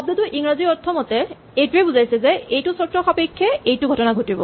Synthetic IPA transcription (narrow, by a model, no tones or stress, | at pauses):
ɔb̚d̪et̪ʊʔiŋɹaziɔɹt̪ʰɔmɔtɛ | ejtuebuzajsɛzɛejtʊsɔtɹɔxapekʰːɛejtʊɡʱɔtɔnaɡʱotibɔ̰